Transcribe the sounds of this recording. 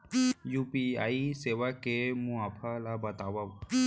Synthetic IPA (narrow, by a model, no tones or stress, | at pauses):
juːpiaːiseːʋakemũaːpʰalabɐt̪aːʋa